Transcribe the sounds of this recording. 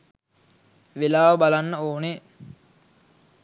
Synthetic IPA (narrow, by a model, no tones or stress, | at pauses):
ʋelaːʋəbalanːəoːne